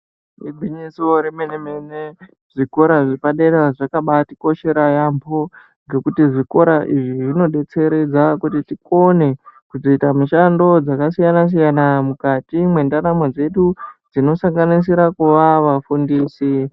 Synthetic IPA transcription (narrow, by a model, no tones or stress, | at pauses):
ibʱiɲisiwoɾimenemene | ʐ̥iko̞ɾaʐipaɗeɾaʐakaɓatiko̞ʃe̞ɾajambʱo | ŋɡe̞kutiʐiko̞ɾaʔiʐiʐino̞ɗe̞t͡se̞ɾe̞d͡zakutitikone̞kuzo̞itamuʃando̞d͡zakasijanas̬ijanamukatimwe̞ndaɾamod͡ze̞ɗud͡zino̞saŋɡanis̬iɾakuʋaʋafundiːsi